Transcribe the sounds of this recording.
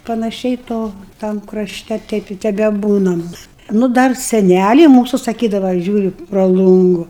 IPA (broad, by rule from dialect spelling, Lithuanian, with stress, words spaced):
pɐnɐˈʃʲɛɪ ˈtoː tɐm krɐˈʃʲtʲɛ ˈtʲɛɪp ɪ tʲɛbʲɛˈbuːnɐm nʊ ˈdɐr sʲɛˈnʲælʲɛɪ ˈmuːsʊ sɐˈkʲiːdɐʋɐ ˈʒʲuːrʲʊ prɐ ˈlˠʊŋɡʊ